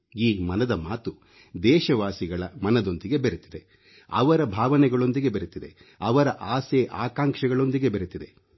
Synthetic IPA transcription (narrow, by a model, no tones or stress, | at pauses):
iːmɐnɐd̪ɐmaːt̪u | d̪ɛːʃɐʋaːsiɡɐɭɐmɐnɐd̪o̞nd̪iɡe̞beɾut̪id̪e̞ | ɐ̰ʋɐɾɐbʱaːʋɐnɛɡɐɭo̞nd̪iɡe̞beɾut̪id̪e | ɐʋɐɾɐʔaːseːʔaːkaːŋkʂɐɡɐɭo̞nd̪iɡe̞beɾut̪id̪e̞